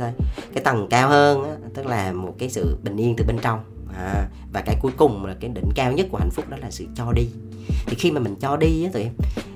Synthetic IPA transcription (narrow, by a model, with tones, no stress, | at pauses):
tjkaː˨˦jt̪ə˨˩ŋkaː˧whəː˧nʔaː˨˦t̪ɨ˦˥k̚laː˨˩mo˨˩t̚kaː˨˦jsɨ̰˧˨ɓï˨˩ŋ̟ʔi˧əŋt̪ɨ˨˩ɓe˧nt͡ɕɔ˧wŋ͡m | ʔaː˨˩ | vaː˨˩kaː˨˦jku˨˦jkʊ˨˩ŋ͡mlaː˨˩kaː˨˦jɗḭ̈˧˨ŋ̟kaː˧wɲə˦˥t̚ku˧˩əha̰˧˩jŋ̟fʊ˦˥k͡p̚ɗɔ˨˦laː˨˩sɨ̰˧˨t͡ɕɔ˧ɗi˧ | t̪ʰi˨˩xi˧maː˨˩mï˨˩ŋ̟t͡ɕɔ˧ɗiː˧˨˦t̪ʰːʔɛ˧m